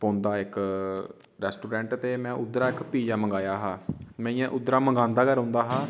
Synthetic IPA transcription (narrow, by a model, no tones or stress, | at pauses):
põːnd̪aːɪk | ɾɛːsʈuːɾɛ̃ːɳʈt̪eːmɛ̃ːʔʊd̪ɾaːɪkpiːd͡ʒaːməŋɡaːjaːɦaːmɛ̃ːĩjãːʔʊd̪ɾaːməŋɡãːnd̪aːkəɾɦõːnd̪aːɦaː